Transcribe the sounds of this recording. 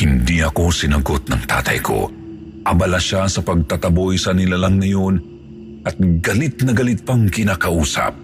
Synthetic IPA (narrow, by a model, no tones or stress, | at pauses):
hɪnd̪iɐko̞sɪnɐɡot̪̚nɐŋt̪a̰ːt̪ɐ̰jkʰo̞̰ | ʔɐbɐlaʃasɐpɐɡ̚t̪at̪ɐbo̞jsɐnɪlalɐŋnɐjo̞n | ʔɐt̪̚ɡɐlɪt̪̚nɐɡɐlɪt̪̚pɐŋkɪnaːkɐʔuːsɐ̰p̚